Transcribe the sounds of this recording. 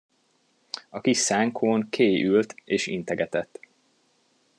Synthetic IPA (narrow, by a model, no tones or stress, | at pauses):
ɒkiʃːaːŋkʰoːŋkʰeːjylt̪eːʃḭnt̪ɛɡɛt̪ɛt̪ː